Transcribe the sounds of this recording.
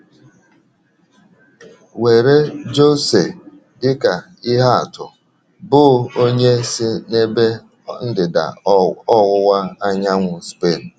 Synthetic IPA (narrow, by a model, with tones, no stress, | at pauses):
we˨ɾe˦d͡ʒo˦se˨ | dɪ˦ka˨ | ɪ˦ɦa˦a̰˨tʊ˨ | bʊ˦˨o˦ɲe˦sɪ˦ne˦be˦ | n̩˦dɪ˨da̰˨ɔ˦wʊ˦wa˦a˦ɲa˦ŋʷʊ˨spe˦˨n̩˨